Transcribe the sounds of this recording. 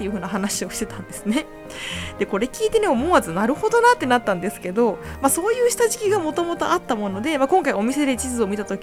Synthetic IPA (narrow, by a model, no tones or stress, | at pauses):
t̪ːe̞jɯ̟ɦɯ̟ːnaɦanaɕio̞ɕi̥t̪e̞t̪ãnd̪e̞sɨne̞ | d̪̥e̞ko̞ɾe̞kʲiːt̪e̞ne̞o̞mo̞ːazɨnaɾɯ̟ho̞d̪o̞nat̪ːe̞nat̪ːãnd̪e̞sɨ̥ke̞d̪o̞maso̞ːjɯ̟ːɕi̥t̪aʑikʲiɡamo̞t̪o̞mo̞t̪o̞̰at̪ːamo̞no̞d̪e̞makõ̞ŋkaio̞mʲise̞d̪e̞t͡ɕizɨo̞mʲit̪at̪o̞kʲ